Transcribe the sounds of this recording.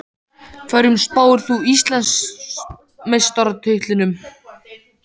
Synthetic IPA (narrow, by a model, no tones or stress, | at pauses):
kʰvaɾʏmspaːwʏɾ̥θuist̪lɛns | mejst̪ɔɾat̪ʰʏht̪lɪnʏm